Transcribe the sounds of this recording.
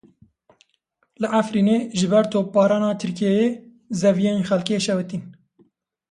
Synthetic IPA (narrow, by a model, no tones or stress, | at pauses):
lɨʔafɾiːneːʒɨbɛɾt̪ʰoːpːɑːɾɑːnɑːt̪ʰɨɾkijɛjeː | zɛvijɛinxɛlkeːʃɛwɨt̪in